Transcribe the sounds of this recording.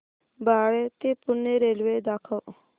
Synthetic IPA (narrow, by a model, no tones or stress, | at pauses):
baːɽet̪epʊnːeɾeːlʋeːd̪aːkʰa